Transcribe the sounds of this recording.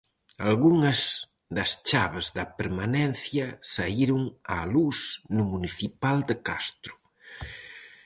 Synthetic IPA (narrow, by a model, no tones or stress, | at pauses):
alɣuŋɐz | d̪ɐst͡ʃaβezðɐpeɾmanɛn̟θjɐsaiɾʊŋalusnʊmuniθipald̪ekast̪ɾʊ̥